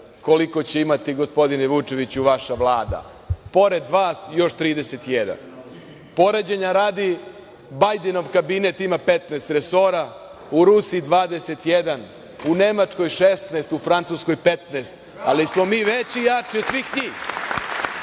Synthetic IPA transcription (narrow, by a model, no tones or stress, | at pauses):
ko̞liko̞t͡ɕeimat̪iɡo̞spo̞d̪ineʋut͡ʃe̞ʋit͡ɕuʋaʃaʋlˠaːd̪a̰ | po̞ɾe̞d̪ʋaːsjo̞ʃt̪ɾiːd̪ese̞t̪jed̪a̰n | po̞ɾed͡ʑeɲaɾaːd̪i | bajd̪eno̞ʋkabinet̪imape̞t̪nest̪ɾeso̞ɾa | uɾusiid̪ʋaːd̪e̞se̞t̪jed̪an | unemat͡ʂko̞jʃest̪nest̪ufɾant̪susko̞jpe̞t̪neːst̪ | alismo̞miːʋet͡ɕijat͡ʂiod̪sʋixɲiːx